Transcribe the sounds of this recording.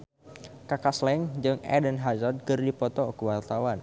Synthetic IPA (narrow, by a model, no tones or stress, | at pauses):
kakaslɛŋd͡ʒɨŋɛ̰dənɦazad̪̚kɨrdipɔt̪ɔkəwart̪awan